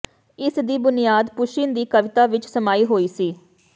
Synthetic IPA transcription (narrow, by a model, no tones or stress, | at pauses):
ɪsd̪iːbʊnijaːd̪pʊʃɪnd̪iːkəʋɪt̪aːʋɪt͡ʃsəmaːiːɦoːiːsiː